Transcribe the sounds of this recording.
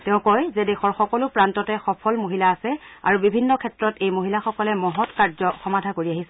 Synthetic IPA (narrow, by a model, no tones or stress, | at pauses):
tɛʊ̃kɔjzɛdexɔɹxɔkɔlʊpɹantɔtɛxɔpʰɔlmoɦilaːsɛa̰ɹubibʱinːɔkʰɛtɹɔtejmoɦilaxɔkɔlɛmɔɦɔtkaɹzɔxɔmadʱakoɹiaɦisɛ